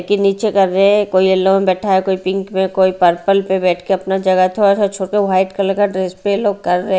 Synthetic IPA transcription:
kiniːt͡ʃekɐɾːeɦɛ̃koːiɐlomẽbɛːʈʰaɦekoːipɪ̃ŋkmẽkoːipɐɾpəlpebɛːʈʰkeɐpnad͡ʒɐɡət̪ʰoːɾasat͡ʃʰoːʈkeɦaːɪʈkɐɾlekaɖɾeːspeloːɡ̚kɐɾːəɦ

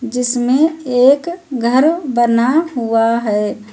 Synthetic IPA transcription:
d͡ʒɪsmẽeːkɡʱəɾbənaɦuaɦɛː

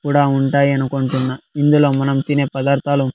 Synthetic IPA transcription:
kuːɽaːuɳʈaːjiɐnuko̞ɳʈunːaind̪ulo̞ːmɐnɐmt̪ine̞ːpɐd̪aːɾt̪ʰaːlu

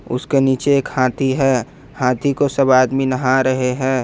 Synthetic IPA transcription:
ʊ̰skeniːt͡ʃeːkhãːt̪ʰiɦɛː | hãːt̪ʰikosəbaːd̪minəɦãɾəɦeɦɛ̃ː

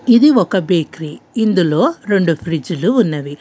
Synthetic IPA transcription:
id̪iɔkɐbeːkɾiːind̪ulo̞ːɾe̞ɳɖupʰɾid͡ʒuluːnːɐʋi

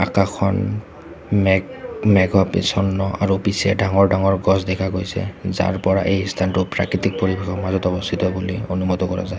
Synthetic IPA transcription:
akakʰɔn | mɛmɛɡɔpḛsɔnːɔʔa̰ɹupisɛdaŋɔɹdaŋɔɹɡɔs̬dɛkʰaɡojsɛ̰za̰ɹpɔɹa̰ʔejstʰantʊpɹa̰kɹit̪ik̚poɹibexʰɔkmazɔtɔbɔstʰit̪ɔbulionumɔt̪ɔkɔɹa̰za

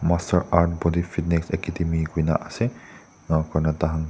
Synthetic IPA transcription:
mastəɹaɹt̚bɔd̪ifitneksɛkːitimiɡina̰ʔase | kɔɹnɔt̪aɦãn

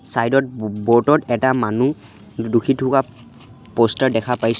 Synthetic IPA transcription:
sajdɔt̚bɔɹtɔtɛtamanu | dukʰitʰʊka | postaɹdɛkʰapajs

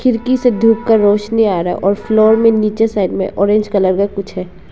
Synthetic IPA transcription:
kʰɪɾkised̪ʱuːkkəɾːoːʃniaːɾaɦɛ̰ʔɔːɾflɔːɾmẽniːt͡ʃesaːɪdmḛ̃ʔɔːɾẽːnd͡ʒkɐləɾɡakʊt͡ʃʰɦɛː

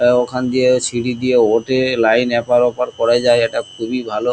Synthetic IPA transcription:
okʰand̪iesiɽid̪ijeoʈelajnɛpaɾɔpaɾkɔɾad͡ʒajeʈakʰubibʱalo

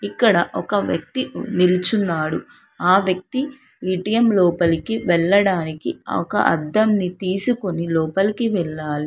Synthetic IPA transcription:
ikːɐɽɐʔɔkɐʋjɐ̰k̚t̪inilut͡ʃunːaːɽu | aːʋjɐk̚t̪i | iːʈijemlɔːpɐlikiʋɛɭːɐɽaːnikiɔ̰kɐ̰ʔɐ̰d̪ːɐmnit̪iːsuko̞nilɔːpɐlikiʋɛɭːaːli

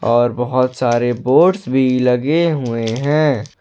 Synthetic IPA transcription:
ɔːɾbɐɦʊt̪saːɾeboːɖsbʱilɐɡeɦueɦɛ̃ː

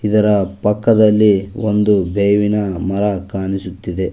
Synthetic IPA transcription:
id̪ɐɾɐpɐkːɐd̪ɐlːiond̪ubʱeːʋinɐmɐɾɐkaːɳisut̪ːid̪e̞

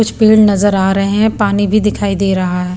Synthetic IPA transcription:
kʊt͡ʃʰpiːɖnɐzəɾaːɾɐɦeɦɛ̃paːnibʱid̪ɪkʰaːid̪eːɾɐɦaɦɛː

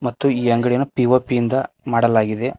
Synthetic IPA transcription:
mɐt̪ːuiːɐŋɡɐɽinupiʋoːpijind̪ɐ | maːɽɐlaːɡid̪e̞

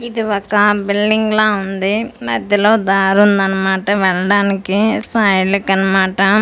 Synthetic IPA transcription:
id̪iʋɐkːɐbilɖiŋɡlaːund̪imɐd̪ʱjːɐloːd̪aːɾund̪ɐnːɐmaːʈɐʋɛɭɐɽaːnikisaːjlikːɐnɐmaːʈɐ

